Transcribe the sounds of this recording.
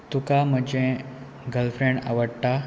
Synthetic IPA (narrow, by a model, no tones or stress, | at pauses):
t̪ukam̤əd͡ʑẽ | ɡəlfɾẽɳɖa̰ʋəɽt̪a